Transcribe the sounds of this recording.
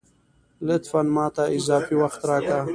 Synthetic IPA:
lɪt̪fanmɑːt̪aɪzaːfiwaxt̪ɾaːka

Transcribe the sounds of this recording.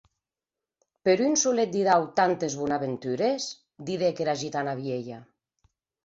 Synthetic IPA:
peɾynsulet̪̚d̪iðawt̪ant̪ezβunaβent̪yɾes | d̪iðekeɾaʒit̪anaβ̞jeʎa

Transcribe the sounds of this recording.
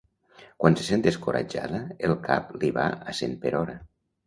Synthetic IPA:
kwanse̥sent̪eskoɾa̰d͡ʒa̰ðəelˠka̰pliβa̰asenpeɾɔɾə

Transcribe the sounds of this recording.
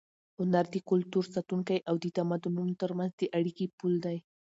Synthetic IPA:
hʊnaɾd̪əkʊlt̪uɾsat̪uŋkajʔawd̪ət̪amad̪ununot̪əɾmanzd̪əʔaɽikipuld̪aj

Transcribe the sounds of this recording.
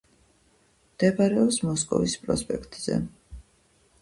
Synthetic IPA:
md̪̥ɛbaɾɛɔpsmɔskʼɔ̰vispʼɾɔspʼɛkʰt̪ʼz̥ɛ̰

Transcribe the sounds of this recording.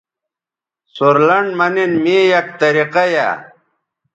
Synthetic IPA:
suɾlɐɳɖmɐninmiːjɐk̚t̪ɐɾiqɐja̰

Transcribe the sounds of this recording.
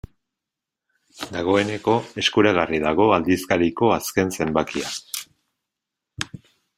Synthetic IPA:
d̪aɣ̞o̞e̞ne̞ko̞e̞skuɾaɣ̞ariðaɣ̞o̞ald̪iskaɾiko̞aske̞nse̞mbakia

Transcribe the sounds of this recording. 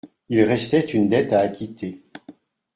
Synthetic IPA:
ilʁɛst̪ɛt̪ynd̪ɛt̪aːkʲit̪ʰe

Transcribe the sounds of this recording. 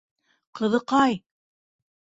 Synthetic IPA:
qɤ̆ðɤ̆qɑj

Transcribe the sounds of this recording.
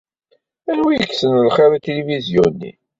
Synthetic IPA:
ænwijəkːsənlχeɾæt̪elivizjunːḭ

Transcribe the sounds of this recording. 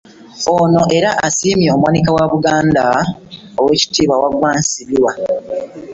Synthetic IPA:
ono̞ʔe̞ɾaʔasiːmjo̞ːmwanikawaβuɡaːnda | owe̞ːci̥tiːβawaɡwaːnsiβiwa

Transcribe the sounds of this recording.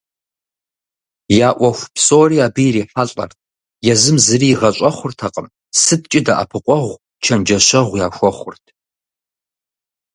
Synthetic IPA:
jaːʔʷɔxʷpsoːriːaːbɨjɾiːħaɬʼɐ̰rt̚ʰ | jɛzɨmzɨriːʁɐɕʼɐχʷʊrtʰɐqʼəm | sɨtʰt͡ʃʼɪda̰ʔa̰pʰɨqʷʼɔʁʷ | t͡ʃʰɐnd͡ʒɐɕɐʁʷjaːxʷɔχʷʊrtʰ

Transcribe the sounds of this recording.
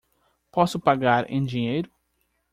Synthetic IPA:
pɔsʊpaɡaɾḛ̃j̃d͡ʒĩɲejɾʊ

